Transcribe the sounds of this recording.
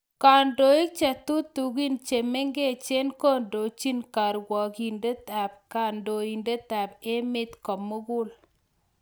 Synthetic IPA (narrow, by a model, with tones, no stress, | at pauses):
ka˨ndo˨˦i˦k̚t͡ʃɛ˨t̪u˦t̪u˨ɡi˦nt͡ʃe˨me˦ŋɡe˦t͡ʃe˦nko˦ndo˨t͡ʃi˦nka˨ɾwɔ˨ki˨nde˦t̪a˨p̚ka˨ndo˨i˨nde˦t̪a˨pe˦mɪ˦t̪kɔ˨mo˦ɡʊ˦l